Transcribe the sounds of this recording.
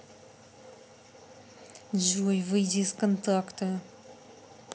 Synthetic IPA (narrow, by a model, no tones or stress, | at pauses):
ʒujvɨjd̪ʲiskənt̪akt̪ə